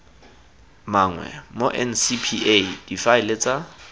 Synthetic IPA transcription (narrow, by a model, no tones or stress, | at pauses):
maːŋwɛ̰moʔɛnsipʰied̥ifaɪlet͡sʼa